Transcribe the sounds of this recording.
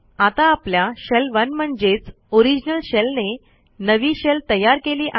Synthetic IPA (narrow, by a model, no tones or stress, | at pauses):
at̪aːpljaɕɛlʋənm̤əɳd͡zet͡s | oɾid͡ʑnəlɕɛlne | nəʋiːɕelt̪əjaɾkeliːʔa